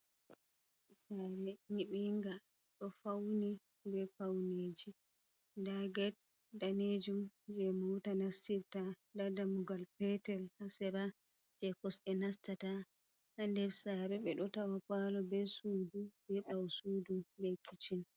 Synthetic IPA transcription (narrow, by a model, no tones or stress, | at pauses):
saɾɛniɓɛŋɡa | ɗɔfawni | bɛfawneːd͡ʒi | daɡɛt̚ | daned͡ʒumd͡ʒɛmutanastiɾta | dadamuɡalpɛtɛlhasɛɾa | d͡ʒɛkɔsɛnastata | handɛɾsaɾɛɓɛɗɔtawapalɔbɛsudubɛɓawsudubɛkʰit͡ʃin